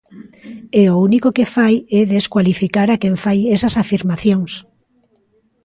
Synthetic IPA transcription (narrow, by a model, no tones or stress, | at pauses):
eounikokefajɛðeskwalifikaɾakeɱfajɛsasafiɾmaθjoŋs